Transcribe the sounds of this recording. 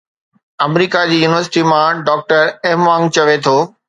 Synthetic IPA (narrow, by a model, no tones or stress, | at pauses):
ɐmɾiːkad͡ʑiːjuːnɪʋəɾsɪ̥ʈimãɖɔːk̚ʈəɾɛːmʋãːŋɡ̚t͡ɕɐʋet̪ʰoː